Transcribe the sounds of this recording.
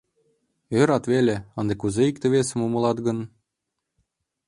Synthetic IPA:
øɾɑt̪βelʲeɤnd̪ekuzeikt̪ĕβesɘ̆mumɤ̆lɑt̪ɡɤ̆n

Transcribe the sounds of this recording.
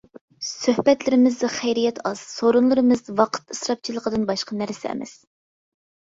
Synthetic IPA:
søhbɛt̪lɪɾɪmɪzd̪ɛχæjɾijɛt̪ʰɑz̥soɾunlˠɨɾɨmɨzwɑqʰɨ̥t̪ɨsɾɑp̚t͡ʃʰilˠəqəd̪ɨnbɑʃqɑnæɾsɪ̰ɛ̰mɛ̰s

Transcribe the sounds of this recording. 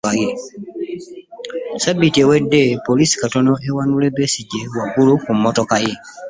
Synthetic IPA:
aje | sabitiewedːepolisi̥katɔnɔʔewanulebesiɟewakulukumːɔtɔkaje

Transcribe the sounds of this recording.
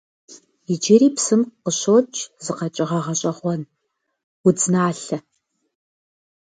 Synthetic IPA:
id͡ʒeɾiːpsɨmqəɕowt͡ʃʼzɨqɐt͡ʃʼɪʁɐʁɐɕʼɐχʷɔn | wʊd͡znaːɬɐ

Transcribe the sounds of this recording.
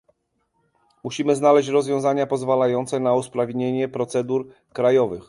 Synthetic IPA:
muɕimɘznalɛɕt͡ɕɾɔzvʲjɔ̃w̃zaɲapɔzvalajɔnt̪sɛnauspɾavʲɲeɲɛpɾɔt̪sɛd̪uɾ | kɾajɔvɘx

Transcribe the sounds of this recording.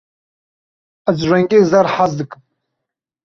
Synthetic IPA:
ad͡zʒʷaŋɡʲʼɪzarħazdɨkʼpʼ

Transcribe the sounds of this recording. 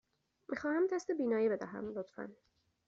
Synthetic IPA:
mʔiːxɒːhæmd̪æst̪ebiːnɒːjebe̞d̪æ̰ɦæ̰mlot̪fæ̰n

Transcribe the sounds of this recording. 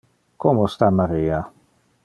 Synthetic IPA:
komost̪amaɾiːa

